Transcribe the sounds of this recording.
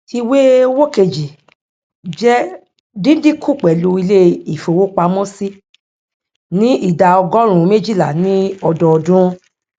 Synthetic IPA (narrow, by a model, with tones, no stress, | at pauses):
ti˧we˦wo˦ke˧d͡ʒi˨ | d͡ʒɛ˦ | dĩ˦di˦kʰu˦˨k͡pɛ˨lu˧i˧le˦i˨fo˨wo˦k͡pa˧mɔ̃˦si˦ | nĩ˦i˦˨da˨ɔ˧ɡɔ̃˦ɾ̃ũ˨˦me˦d͡ʒi˦˨la˨nĩ˦ɔ˧dɔ˧ɔ˨dũ˦